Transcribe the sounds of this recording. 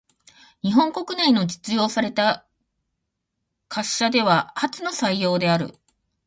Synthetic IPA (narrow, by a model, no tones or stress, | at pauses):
ɲ̟iɦõ̞ŋko̞kɯ̟nainod͡ʑi̥t͡sɨjo̞ːsaɾe̞t̪a | kʰaɕːad̪e̞β̞ahat͡sɨno̞saijo̞ːd̪e̞aɾɯ̟̰